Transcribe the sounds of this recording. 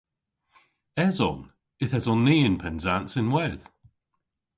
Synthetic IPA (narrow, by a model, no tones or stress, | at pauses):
ɛzɔ̰n | ɪθɛzɔnːiːɪ̃npʰɛnzansɪnwɛð̥